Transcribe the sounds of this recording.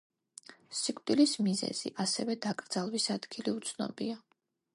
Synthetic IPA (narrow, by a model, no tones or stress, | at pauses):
sikʼd̪̥ʼilismizɛ̰z̥ḭʔasɛvɛd̪akʼɾd̪zalˠvisad̪̥ɡiliut̪sʰnɔ̰bia